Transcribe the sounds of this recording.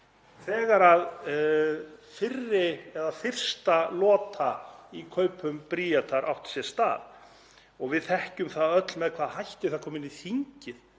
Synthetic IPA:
θɛːɣaɾað | fɪrːɪɛðafɪr̥st̪alɔːt̪ʰaikʰœːɥpʏmpɾiːat̪ʰaɾʔa̰wht̪sjɛst̪a̰ːð | ɔɣvɪðθɛhcʏmθaðœt̪lmɛðkʰvaːðhajht̪ɪθaðkʰɔːmɪnːiθiɲcɪð

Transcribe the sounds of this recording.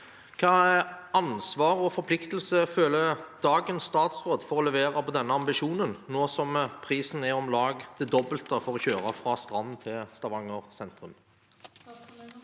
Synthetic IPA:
kʰɑːæʔɑnsʋɑːʁɔfɔɾpʰlɪkt̪əlsəføːləd̪̥ɑːɡənsːt̪ɑːt̪sʁoːd̪fɔʁɔlɛʋeːɾɑpʰɔd̪ɛnːəɑmbɪʃuːnənnoːsɔmpʰʁiːsn̩æʁɔmlɑːɡd̪̥ɛd̪ɔbəlt̪əfɔʁɔçøːɾɑfʁɑːst̪ʁɑnnt̪ʰɪlst̪ɑʋɑŋːəʁsɛnt̪ʁʉm

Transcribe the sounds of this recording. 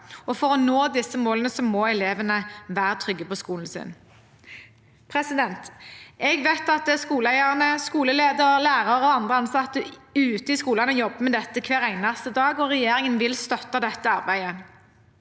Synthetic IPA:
ɔfɔʁɔnoːd̪ɪsːəmoːlənəsɔmɔɛleːʋənəʋæːʁət̪ʰʁʏɡːəpɔskuːln̩sɪ̰n | pʰʁɛsɪd̪ɛnt̪ɛɡʋeɪt̪ɑt̪̚d̪ɛskuːləæɪɑʁnəskuːləleːd̪əʁlæːʁɑʁəɔɑnd̪ʁəɑnsɑt̪ːəʉːt̪əɪskuːlɑnɔjɔbːəmɛd̪ɛt̪ːəkʰʋeːʁæɪnɑst̪əd̪ɑːɡɔʁɛjeːɾɪŋənʋɪlst̪œt̪ːɑd̪ɛt̪ːəɑʁbæɪə

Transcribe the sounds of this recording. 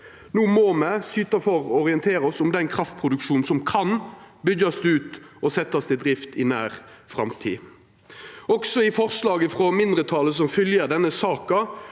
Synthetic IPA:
nuːmɔmɛsyːt̪ɑfɔʁɔʁɪənt̪ʰeːʁɔsɔmd̪ɛnkʰʁɑft̪̚pʰʁʊd̪ʉkʂuːn̩sɔmkʰɑnbʏɡɑsd̪ʉːt̪ɔsɛt̪ːɑst̪ʰɪld̪ʁɪft̪ɪnæːʁ | fɾɑ̰mt̪ʰḭː | ɔksɔɪfɔʁslɑːɡəfʁɔmɪnd̪ʁət̪ʰɑləs̬ɔmfʏljəd̪ɛnːəsɑːkɑ

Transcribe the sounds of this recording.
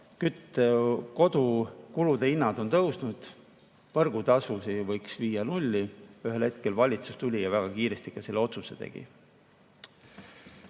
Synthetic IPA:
kyt̪ːeko̞d̪̥ukulud̪̥e̞inːɑd̪̥o̞nt̪ɤwsnud̪̥ | pɤrɡ̥ut̪ɑsusivɤjksviːjɑnulʲːiyɦe̞lhe̞t̪ke̞lvɑlʲit̪sust̪ulʲijɑvæɡ̥ɑkiːɾe̞st̪ikɑselːeo̞t̪suse̞̰t̪e̞̰ɡ̥ḭ

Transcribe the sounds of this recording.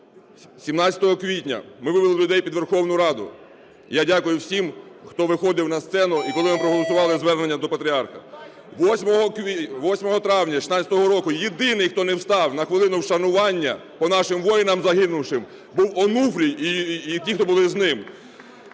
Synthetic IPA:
sʲimnɑt͡sʲɐ̥t̪ɔɦɔkʋʲitʲnʲɐ̰mɪʋɪʋelˠɪlʲʊd̪ɛjpʲid̪ʋerxɔwnʊɾɑd̪ʊ̰ | jadʲakʊjʊwsʲimxt̪ɔʋɪxɔd̪ɪwnɐst̪sɛnʊikɔlˠɪmɪpɾɔɦɔlˠɔsʊʋɑlˠɪzʋɛrnenʲːɐd̪ɔpɐt̪ʲɾʲiɑrxɐ | ʋɔsʲmɔɦɔkʋʲiʋɔsʲmɔɦɔt̪ɾɑwnʲɐʃi̥sɑt͡sʲjɐt̪ɔɦɔɾɔkʊjed̪ɪnɪjxt̪ɔnɛwst̪ɑwnɐxʋɪlˠɪnʊwʃɐnʊʋɑnʲːɐpɔnɑʃɪmʋɔjɪnɐmzɐɦɪnʊwʃɪm | buwɔnufɾʲijitʲixt̪ɔbʊlˠɪznɪm

